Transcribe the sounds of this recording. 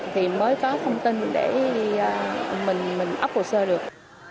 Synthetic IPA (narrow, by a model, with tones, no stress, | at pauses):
t̪ʰi˨˩məː˨˦jkɔ˨˦t̪ʰə˧wŋ͡mt̪i˧nɗe˧˩˧ | mï˨˩ŋ̟mï˨˩ŋ̟ʔa̰˦˥p̚ho˨˩səː˧ɗɨ˨˩ək̚